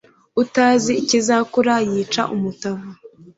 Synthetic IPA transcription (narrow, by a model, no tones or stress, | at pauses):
utaːziːcizakuɾajiːt͡ʃa̰ʔumutava